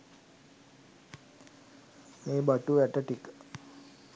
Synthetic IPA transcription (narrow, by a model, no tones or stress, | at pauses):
meːbaʈuʋæʈəʈikə